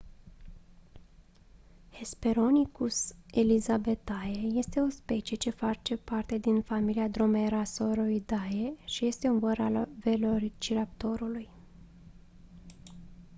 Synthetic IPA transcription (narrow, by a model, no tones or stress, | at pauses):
he̞speɾo̞nikuselizabe̞t̪ajeje̞st̪e̞o̞spe̞t͡ʃije̞t͡ʃe̞fat͡ʃe̞part̪e̞d̪infamiliad̪ɾo̞meɾasoɾojd̪ajeʃije̞st̪e̞unvəɾa̰lve̞lort͡ʃiɾapt̪o̞ɾuluj